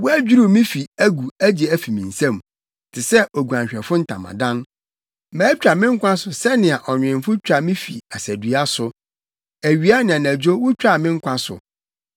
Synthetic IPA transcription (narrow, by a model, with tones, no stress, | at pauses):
wɔ˦æ˦d͡ʑᶣu˦ɾu˦˨mĩ˦fi˨æ˦ɡu˨æ˦d͡ʑi˨æ˦fi˨mĩ˨n̩˨sã˦˨m˨ | tʰɪ˨sɛ˦o˨ɡu˨ã˨ɲ˨ɕᶣɛ˨fʊ̃˦n̩˦tʰã̰˨mã̰˨dã˦n | mæ̃ː˨˦t͡ɕᶣɾa˨mɪ̃˦ŋ̩˦kʷʰã˦sʊ˨sɛ˦nɪ̃˨a˨ʔɔ˨ɲᶣ˨ɪ̃˨m˦fʊ˦t͡ɕᶣɾa˨mɪ̃˦fḭ˨a˨sæ˨dɥa˦sʊ˨ | æ˨ɥi˦a˦nɪ̃˨ã˨næ̃˨d͡ʑᶣo˦wʊ˦t͡ɕᶣa˦˨mɪ̃˦ŋ̩˦kʷʰã˦sʊ̰˨